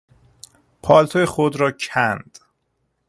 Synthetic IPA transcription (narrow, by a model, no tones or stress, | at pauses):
pʰɒːlt̪ʰojexod̪ɾɒːcʰænd̪̥